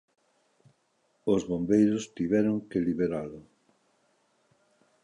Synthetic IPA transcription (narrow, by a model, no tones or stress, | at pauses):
ozβombejɾʊst̪iβɛɾʊŋkeliβeɾalʊ